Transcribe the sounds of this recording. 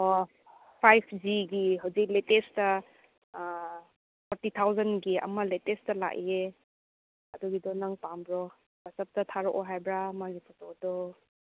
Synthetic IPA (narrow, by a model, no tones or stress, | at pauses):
ɔ | pʰajpʰd͡ʒiɡiɦawzik̚letestɐ | pʰɔɾtit̪ʰawzɐnɡiɐ̰mɐletestɐla̰ʔie | ɐduɡidɔnaŋpambɾɔ | b̥asɐp̚tɐtʰaɾɔkɔɦajbɾamaɡipʰɔsɔdɔ